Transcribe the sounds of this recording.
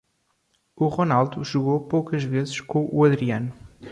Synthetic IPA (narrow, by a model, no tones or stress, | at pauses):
uʁonalˠd̪uʒuɣowpowkɐʒvezɨʃkõʔuɐðɾiɐnu